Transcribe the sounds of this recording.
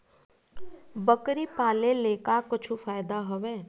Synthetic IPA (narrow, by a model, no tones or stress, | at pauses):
bəkɾipaːleleːkakʊt͡ʃʰufaːɪd̪aɦʊʋeː